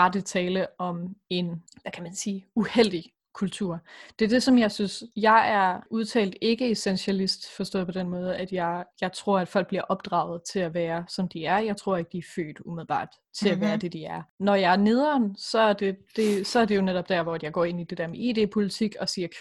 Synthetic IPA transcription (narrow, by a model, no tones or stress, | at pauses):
ɑ̈d̥et͡sʰɛːləʔɒ̽me̝nʋækʰæmænsiːuhel̰d̥i | kʰult͡sʰuɐ̰d̥e̝ɐd̥e̝sɒ̽mjɑ̈ɪsynsjɑ̈ɪæɐuðˠt͡sʰɛ̰ːld̥e̝ɡ̥əe̝senɕælisd̥fɒ̽sd̥ɔ̰ːð̩ˠpʰɒ̽d̥enmɔ̽ːð̞ˠæd̥jɑɪjɑ̈ɪt͡sʰʁo̝ɐ̰æd̥fɒl̰ɡ̥̚b̥liɐʔɒ̽b̥̚d̥ʁɑ̈ʊð̞̩ˠt͡sʰe̝læʋæːɐsɒ̽md̥iæɐjɑ̈ɪt͡sʰʁo̝ɐ̰e̝ɡ̥̚d̥iæɐfø̰ːd̥umið̞̩ˠb̥ɑ̰̈ːd̥ | t͡sʰe̝læʋæːɐd̥e̝d̥iæɐnɒjɑ̈ɪæɐne̝ð̞ˠɐnsɒ̽æɐd̥e̝d̥e̝sɒ̽æɐd̥e̝jo̝neɾ̥ɒ̽b̥̚d̥æɐ̰ʋɒæd̥jɑ̈ɪɡɒ̰ːe̝nid̥e̝d̥æɐmeḛːd̥e̝̰ːpʰo̝lit͡sʰiɡ̥ɒ̽siːɐkʰ